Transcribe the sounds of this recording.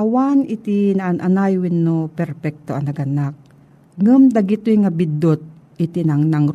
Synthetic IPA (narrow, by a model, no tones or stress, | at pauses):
ʔɐwanɪt̪ɪnaʔnʔanajwɪnːopɛɾpɛk̚t̪oʔɐnɐɡɐnak̚ | ŋumd̪ɐɡɪt̪ʊjŋabɪd̪ot̪̚ | ɪt̪ɪnɐŋnɐŋ